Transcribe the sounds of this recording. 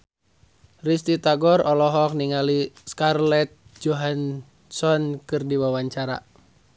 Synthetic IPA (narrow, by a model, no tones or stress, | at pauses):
rist̪it̪aɡɔrɔlɔɦɔk̚niŋaliskarlɛt̪̚d͡ʒɔɦan | sɔnkɨrdiwawaɲt͡ʃaɾa̰